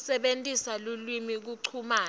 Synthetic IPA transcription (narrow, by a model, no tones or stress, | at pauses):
sɛɓentʼisalulwimik̬uǀʰumaː